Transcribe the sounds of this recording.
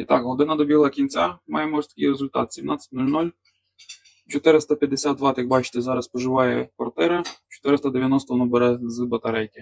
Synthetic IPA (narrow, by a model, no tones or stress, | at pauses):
it̪ɑkɦɔd̪ɪnɐd̪ɔbʲilˠɐkʲinʲt͡sʲamɑjɛmɔst̪ɐ̥kʲijɾezʊlʲt̪ɑ̰t̪sʲimnɑt͡sʲːɪ̥t̚ʲnulʲnulʲ | t͡ʃɔt̪ɪɾɪst̪ɐpʲjɐd̪ːesʲad̪d̪ʋɑt̪ɐjɐk̚bɑt͡ʃɪ̥t̪ɛzɑɾɐspɔʒɪʋɑjɛkʋɐrt̪ɛɾɪt͡ʃɔ̥t̪ɪɾɪst̪ɐd̪eʋʲjɐnɔst̪ɔnɔbeɾɛzɨbɐt̪ɐɾɛjkʲɪ